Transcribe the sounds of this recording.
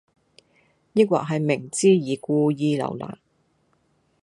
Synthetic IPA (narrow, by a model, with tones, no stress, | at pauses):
ji˥k̚wa̰ː˨k̚ɦɐ˨jmɪ˨˩ŋt͡siː˥jiː˨˧kuː˧jiː˧lɐ̰˨˩wla̰ː˨˩n